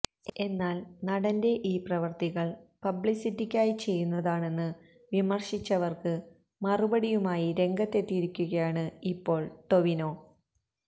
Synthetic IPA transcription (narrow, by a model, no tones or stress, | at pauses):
e̞nːaːlnɐɽɐnde̞ʔiːprɐʋɐrt̪iɣɐɭpɐbɭisitːikʲːaːjit͡ɕe̞jːunːɐðaːɳe̞nːɨ | ʋimɐrɕit͡ɕːɐʋɐrkɨ | mɐrubɐɽijumaːjiɾe̞ŋɡɐt̪ːe̞t̪ːiɾikʲːuɣɐjaːɳɨipːo̞ːɭt̪o̞ʋino̞ː